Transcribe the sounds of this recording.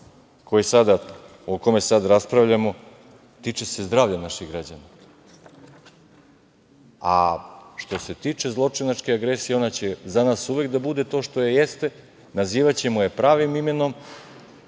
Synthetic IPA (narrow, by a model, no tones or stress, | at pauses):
kʰo̞jesad̪a | oko̞me̞sad̪ɾaspɾaʋʎamo̞ | t̪iːt͡ʃe̞se̞zd̪ɾaːʋʎenaʃiɣɡɾad͡ʑana | a̰ʃt̪o̞se̞t̪iːt͡ʂe̞zlˠo̞t͡ʂinat͡ʂkeaɡɾesijeo̞nat͡ɕe̞zanaːsuʋe̞kd̪abud̪e̞t̪o̞ːʃt̪ojejest̪e̞ | naziːʋat͡ɕe̞moje̞pɾaːʋimime̞no̞m